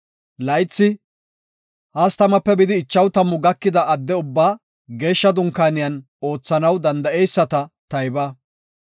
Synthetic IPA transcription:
lɐjt͡sːɪ | hɐst̪ɐmɐpːɛbɪd̪ɪːt͡ʃːɐwt̪ɐmːʊɡɐkːɪd̪ɐʔːd̪ːɛʊbːaː | ɡe̞ːʃːɐd̪ʊŋkaːnɪjɐn | o̞ːt͡sːɐnɐwd̪ɐnd̪ɐejsːɐt̪ɐt̪ɐjbɐː

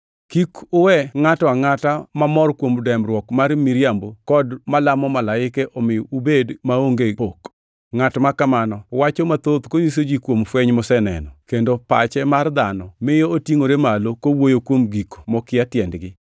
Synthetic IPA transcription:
kikʊwɛŋatɔaŋatamamɔrkwomdɛmrwɔkmarmiɾjambokɔdmalamɔmalaɪkɛʔɔmɪɔubedmaoŋɡeok | ŋatɔmakamanɔwat͡ʃomat̪ot̪koɲisod͡ʒikwomfwɛɲmɔsɛnɛ̰nɔkendopa̰t͡ʃɛmard̪anɔmɪjootjiŋoɾemalokowojokwomɡiko̥mɔkɪjatjɛndɡɪ

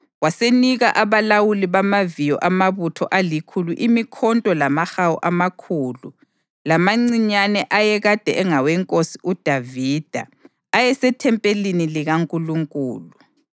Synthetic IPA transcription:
waseniɣaʔaβalawuliβamavijɔ̰ʔamaβutʰɔʔalikʰuluʔimikʰɔntʼɔlamaxawɔ̰ʔamakʰuːlu | lamaŋ͡ǀiɲanɛʔajɛɣad̥ʱɛɛŋawɛŋkʼosiʔud̥ʱaviːd̥ʱa̰ː | jɛsɛtʰɛmpʼeliniliɣaŋkʼuluŋkʼuːlu

